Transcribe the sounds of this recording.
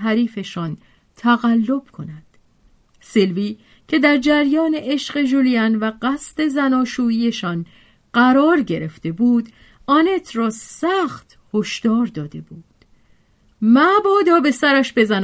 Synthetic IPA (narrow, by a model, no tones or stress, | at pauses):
ɦæɾiːfe̞ʃɒn | t̪ʰæɣælːo̞b̥kʰo̞næd̪̥ | selviː | cʰe̞d̪æɾd͡ʒæɾjɒːne̞ʔeʃɢe̞ʒulijænvæɢæst̪e̞zænɒːʃuːiːje̞ʃɒn | ɢ̥æɾɒːɾɟe̞ɾe̞ft̪e̞buːd̪ | ɒːne̞t̪ʰrɒːsæxt̪ | hoʃd̪̥ɒːɾd̪ɒːd̪e̞buːd̪̥ | mæbɒːd̪ɒːbe̞sæɾæʃbe̞zæn